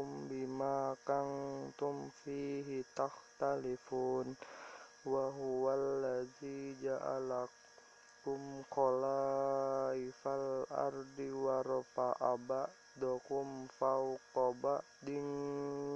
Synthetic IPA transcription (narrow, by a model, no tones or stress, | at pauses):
umbimakaŋt̪umfiɦit̪axt̪alifun | waɦuwalːazid͡ʒaʔa̰la | kumkɔla | ifalʔa̰ɾd̪iwaɾɔpaʔabaʔ | d̪ɔkumfawkɔbaʔdiŋ